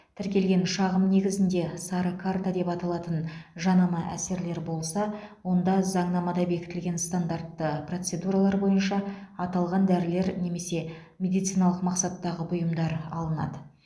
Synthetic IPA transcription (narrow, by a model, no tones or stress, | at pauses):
t̪ʰɪɾkʲe̞lɡʲe̞nʃɑʁəmne̞ɡʲɪzɪnd̪e̞sɑɾəkʰart̪ad̪e̞pɑt̪ɑlˠɑt̪ənʒɑnɑmɑʔæ̰se̞ɾle̞ɾbo̞lˠsɑwo̞nd̪ɑzɑɴnɑmɑd̪ɑbe̞kʲɪ̥t̪ɪlɡʲe̞nst̪and̪art̪ːəpro̞t̪se̞d̪uɾɑlˠɑɾbo̞jənʃɑɑt̪ɑlˠʁɑnd̪æɾɪle̞ɾne̞me̞se̞ | mʲe̞d̪ijt̪sɨjnɑlˠəqmɑqsɑt̪ːɑʁəbʊjəmd̪ɑɾɑ̰lˠənɑ̰d̪ə